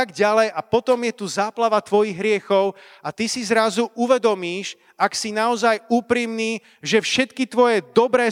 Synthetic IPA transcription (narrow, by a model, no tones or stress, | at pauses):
ɡɟalɛjʔapɔt̪ɔmjɛt̪uzaːplaʋat̪ʋɔjiɣɦɾɪɛxɔʊ | at̪isizɾazuʔuʋɛd̪ɔmiːʃ | aksinaɔzajuːpɾiːmniː | ʒɛfʃɛt̪kit̪ʋɔjɛd̪ɔbɾɛː